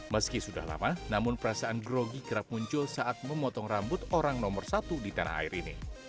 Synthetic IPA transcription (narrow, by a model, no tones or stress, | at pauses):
məskisuda̰hla̰manamʊnpəɾasaʔanɡɾoɡiɡəɾap̚muɲt͡ʃʊlsaʔat̪̚məmɔt̪ɔŋrambʊt̪oɾaŋnɔmərsat̪udit̪ana̰ha̰ɪɾinḭ